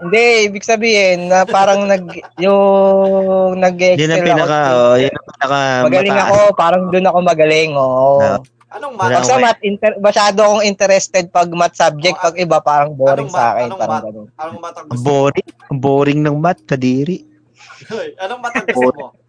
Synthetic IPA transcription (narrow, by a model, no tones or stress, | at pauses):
hɪnd̪ɛiːbɪɡ̚sɐbiːhɪnːɐpaːɾɐŋnɐɡjʊ | ŋnɐɡʔɛjsnɐɛlpinɐkaojʊnɐpɪnɐkamɐɡɐlɪŋɐko̞paːɾɐŋd̪ʊnɐkomɐɡɐlɪŋoo | lpɐɡsɐmat̪̚ʔɪnt̪ɛmɐʃaːd̪oɐkoŋɪnt̪ɛɾɛst̪ɛd̪̚pɐɡ̚mat̪̚sab̚d͡ʒɛk̚t̪pɐɡ̚ɪbapaːɾɐŋboːɾɪŋsɐa̰ːkɛnpaːɾɐŋɡɐnonboːɾɪŋ | boːɾɪŋnɐŋmat̪̚kɐd̪iːɾɪʔ | b